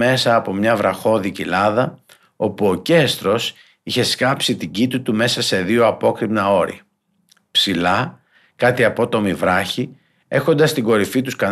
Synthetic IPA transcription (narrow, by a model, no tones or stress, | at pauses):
e̞sɐːpo̞mɲɐvɾɐxo̞ðicilɐðɐ | o̞puo̞ce̞st̪ɾo̞s | içe̞skɐpsit̪iɟit̪it̪ume̞sɐse̞ðio̞ɐpo̞kɾipnɐo̞ɾḭɐ | psilɐ | kɐt̪iɐpo̞t̪o̞mivɾɐçi | e̞xo̞nd̪ɐst̪iɡo̞ɾifit̪uskɐ